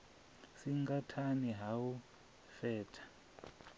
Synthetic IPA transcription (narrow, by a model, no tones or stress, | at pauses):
siŋkatʰaniɦau | fɛːtʰḁ